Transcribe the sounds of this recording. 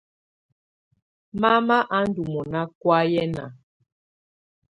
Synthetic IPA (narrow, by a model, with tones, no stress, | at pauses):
ma˦ma˦ʔa˦n̩˦du˨mɔ˨na˦kwa˦jɛ˦na̰˨